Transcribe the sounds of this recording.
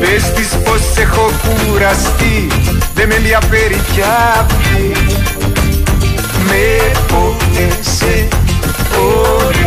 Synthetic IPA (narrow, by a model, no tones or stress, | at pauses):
pest̪isposːexokuɾast̪iðememiapeɾicapi | meoese | o